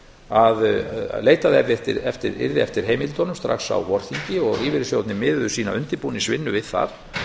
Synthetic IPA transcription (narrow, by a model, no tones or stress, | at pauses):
aðleːjt̪aðɛɾðɪɛt̪ɪɾɛft̪ɪɾɪ̰ɾðɪɛft̪ɪɾ̥ɦejmɪlt̪ɔnʏmst̪ɾa̰xsa̰wvɔɾ̥θiɲcɪɔɣiːvɪɾsjowt̪nɪmɪːðʏsiːnaʏnt̪ɪpuːnisvɪnːʏvɪðθa̰ɾ̥